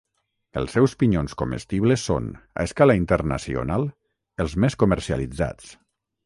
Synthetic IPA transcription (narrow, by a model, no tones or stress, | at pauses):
əlˠsːɛwspiɲonskomə̰st̪iβləsːo̰na̰skalaint̪əɾna̰sio̰nalˠ | əlˠzmeskuməɾsia̰lid͡za̰t͡s